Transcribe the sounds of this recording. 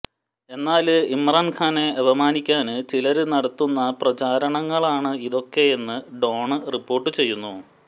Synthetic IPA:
e̞nːaːlɨimraːnkʰaːne̞ɐʋɐmaːnikʲːaːnɨt͡ɕilɐɾɨnɐɽɐt̪ːunːɐprɐt͡ɕaːɾɐɳɐŋːɐɭaːɳɨiðo̞kːe̞enːɨɖo̞ːɳɨripːo̞ːrʈːɨt͡ɕe̞jːunːu

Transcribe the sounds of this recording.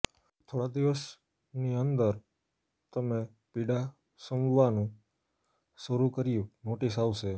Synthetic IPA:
t̪ʰoɽad̪iʋəs | niənd̪əɾ | t̪əme | piɽa | səmʋanũ | səɾukəɾijũnoʈisaʋʃe

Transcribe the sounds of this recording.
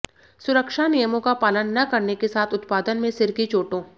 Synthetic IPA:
sʊɾəkʃanijəmõkapaːlənːɐkɐɾnekesaːt̪ʰʊt̪paːd̪ənmẽsɪɾkit͡ʃoːʈõː

